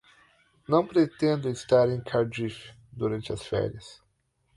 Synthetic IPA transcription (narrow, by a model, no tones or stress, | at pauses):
nɐ̃w̃pɾet̪ẽnd̪ʊist̪aɾẽj̃kʰaɾd͡ʒifɪ̥ | d̪uɾɐ̃nt͡ʃɪɐsfɛ̰ɾiɐs